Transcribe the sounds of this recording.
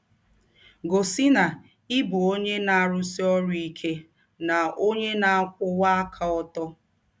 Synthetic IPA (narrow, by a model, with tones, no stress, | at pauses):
ɡo˨si˦na˨ | ɪ˦bʊ˨o˦ɲe˦na˨a˨ɾʊ˦si˦ɔ˦ɾʊ˦i˦kʰe˦ | na˨o˦ɲe˦na˨a˦kʷʊ˦wa˦a˦kʰa˦ɔ˦tɔ˦